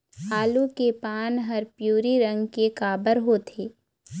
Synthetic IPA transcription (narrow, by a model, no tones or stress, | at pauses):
haːlukepaːnɦɐɾpjuːɾiɾə̃ŋɡkekaːbəɾɦoːt̪ʰeː